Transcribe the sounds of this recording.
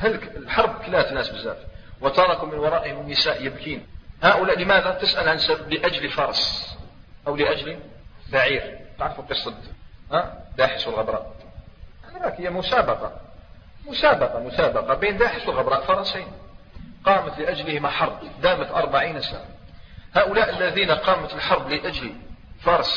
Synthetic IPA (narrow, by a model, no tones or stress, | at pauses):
halklħɑɾˤb̚kəlːæt̪nːæːsbəzːæ̰ːfwət̪ɑɾˤɑkʊmənwɑɾˤɑːʔəhɪmənːəsaːʔjəbkiːnhaʔʊlæːʔləmæðat̪ɪsʔælʕansabbləʔæd͡ʒlfɑɾˤɑsˤ | ʔawləʔæd͡ʒli | ðaʕiːɾt̪əʕɾˤfuqəsˤːət̪had̪aːħəswəlɣəbɾˤɑ̰ːʔ | ɾˤɑkhəjːamʊsaːbɑqɑ | mʊsaːbɑqɑmʊsaːbɑqɑbiːnd̪aːħəswəlɣəbɾˤɑːʔfɑɾˤɑsiːnqɑːmət̪lɪʔad͡ʒləhɪmaħɑɾˤb̚d̪aːmət̪ʔɑ̰ɾˤbaʕiːnsa̰ʕa | haːʔʊlaːʔəlːæðiːnaqɑːmət̪əlħɑɾˤbləʔæd͡ʒlifɑɾˤɑs